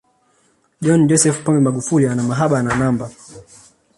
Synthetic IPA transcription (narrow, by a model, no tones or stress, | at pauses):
ʄɔnd͡ʒɔsɛfpɔmbɛmaɡufulianamaɦaɓananamba